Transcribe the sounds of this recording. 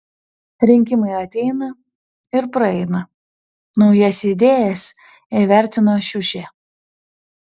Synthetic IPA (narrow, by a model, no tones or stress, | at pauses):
ɾʲɪŋʲkʲɪmɐɪɐt̪ʲɛɪnɐ | ɪɾpɾɐɛɪnɐ | nɒʊjɛsʲɪd̪ʲeːjɛs | ɛʋʲæˑɾʲt̪ʲɪnoːʃʲʊʃʲeː